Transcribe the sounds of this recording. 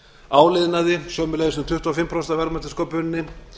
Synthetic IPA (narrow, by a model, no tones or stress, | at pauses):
aːwlɪðnaðɪsjœwmɪlajðsnʏmt̪ʏht̪uafɪmːpʰɾɔst̪avɛɾmat̪ɪskowpʏnɪnːɪ